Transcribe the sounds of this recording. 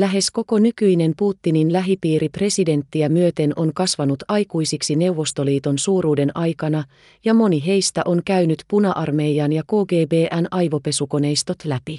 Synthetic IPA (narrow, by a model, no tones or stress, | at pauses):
læɦe̞sko̞ko̞nykyjne̞mpuːt̪ːininlæɦipiːɾipre̞side̞nt̪ːiæmyøt̪e̞nʔo̞nkɑsʋɑnut̪ɑjkujsiksine̞uwʋːo̞st̪o̞liːt̪o̞nsuːɾuːde̞nʔɑjkɑnɑ | jɑmo̞niɦe̞jst̪æʔo̞ŋkæyɥnyt̪punɑʔɑrme̞jɑnjɑko̞ːɡe̞ːbe̞ːʔænɑjʋo̞pe̞suko̞ne̞jst̪o̞t̪læpi